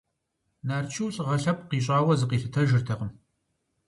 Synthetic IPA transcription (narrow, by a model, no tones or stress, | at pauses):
naːrt͡ʃʰɨwɬʼʁɐɬɐp̚qiːɕʼɑːwɐzɨqiːɬɨtʰɐʒɪrtʰɐqəm